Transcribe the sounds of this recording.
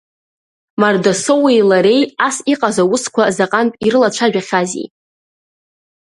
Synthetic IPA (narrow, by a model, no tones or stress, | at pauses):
mardasowejlaɾe̞jasiqʼazawʊskʷʰazaqʼanpʼiɾɨlaʈ͡ʂʷʰaʒᶣaχʲazḭj